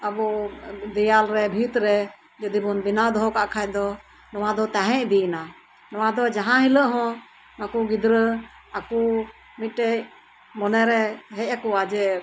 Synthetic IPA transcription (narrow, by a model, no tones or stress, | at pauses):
abɔd̪ɛjalɾɛbʱit̪ɾɛ | d͡ʒɔd̪ibɔnbinad̪ɔɦɔkaʔkʰajd̪ɔ | nɔwad̪ɔt̪aɦɛ̃ʔbina | nɔwad̪ɔd͡ʒaɦãɦiləʔɦɔ̃ | makuɡid̪ɾə | aku | mit̪̚ˀʈɛc | mɔnɛɾɛɦɛc̚akuad͡ʒɛ